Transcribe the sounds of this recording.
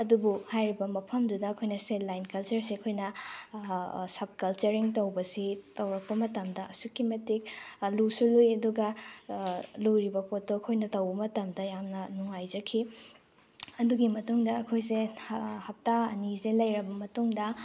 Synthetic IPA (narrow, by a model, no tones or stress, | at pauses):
ɐdubuhajɾibɐmɐpʰɐmdudɐːkʰojnɐsedlajnkɐlt͡ʃɐɾseɐkʰojnɐ | sɐb̚kɐlt͡ʃɐɾiŋtɐwbɐsitɐwɾɐk̚pɐmɐtɐmdɐɐsukimɐtik̚lusulujɐduɡɐ | lujɾibɐpotːoɐkʰojnɐtɐwbɐmɐtɐmdɐjamnɐnuŋajd͡ʒɐkʰi | ɐduɡimɐtuŋdɐːkʰojsehɐp̚taɐnizelɐjɾɐbɐmɐtuŋdɐ